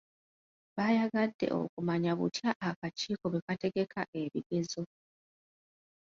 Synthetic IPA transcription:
βajaɡadːe̞̰ʔo̞̰kumaɲaβṵtjaʔːkat͡ʃiːko̞βe̞kate̞ɡe̞kʰaʔe̞βiɡezo̞

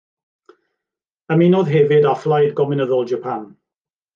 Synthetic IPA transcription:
əmiːnoðɦɛvɪdaflˠajdɡɔmɪnəðɔlˠd͡ʒəpʰan

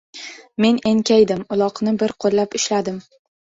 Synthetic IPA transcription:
me̞ne̞ŋkʲajd̪ɪmʊlˠɒqnɪbɪɾqʰolˠːapɪʃlad̪ɪm

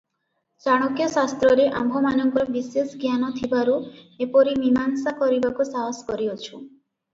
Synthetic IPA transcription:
t͡ʃaɽ̃okijɔsast̪ɾɔɾeʔa̰mbʱɔmanɔŋkɔbisesɡjanɔt̪ʰibaɾuepɔɾimimansakɔɾibakusaɦskɔɾiɔt͡ʃʰu

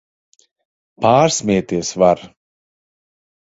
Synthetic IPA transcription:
paːɾsmʲiɛt̪iɛsvaɾ

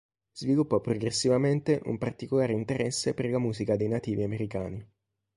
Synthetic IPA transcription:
z̥vilupːɔpːɾoɡɾesːivament̪eʔṵmpart̪ikolaːɾeint̪eɾɛsːeperlamuːzikad̪ejnat̪iːviameɾika̰ːni

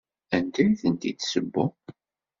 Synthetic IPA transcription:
ænt̪æɾiθənt̪it̪ːsəbːʊ̰

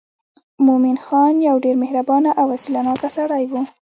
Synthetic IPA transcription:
mominxɑnjawɖeɾmɪhɾabɑnaʔawasilanɑkasaɽajwu

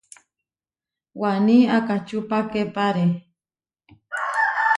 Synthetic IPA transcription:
waniakat͡ʃupakepaɾe

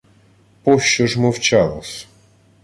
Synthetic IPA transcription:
pɔʃt͡ʃɔʒmɔwt͡ʃalˠɔ̰sʲ

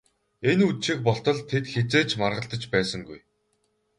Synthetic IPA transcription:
enut̪ʃik̚pɔɬt̪ɞ̆ɮt̪ʰet̪xet͡seːt͡ɕmarʁə̆ɬt̪ə̆t͡ɕpæːsə̆ŋɡuj

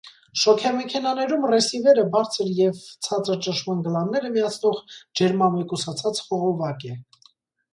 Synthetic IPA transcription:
ʃɔkʰjɑmɛkʰɛnɑnɛɾumrɛsivɛɾəbɑɾt͡sʰəɾjɛvt͡sʰɑt͡səɾt͡ʃənʃmɑnɡəlɑnːɛɾəmijɑt͡sʰnɔʁd͡ʒɛɾmɑmɛkusɑt͡sʰɑt͡sχɔʁɔvɑkɛ

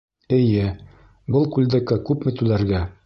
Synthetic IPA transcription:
ɘ̆jɘ | bɤlˠkʉld̪ækakʉpmɘ̆t̪ʉlæɾɡæ

